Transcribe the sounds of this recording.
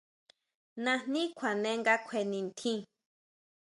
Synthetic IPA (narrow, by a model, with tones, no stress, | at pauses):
nã˧n̥nĩ˦kʷʰã˨nẽ˧˦ŋɡa˦kʷʰe˧nĩ˨˧nt̪ʰĩ˦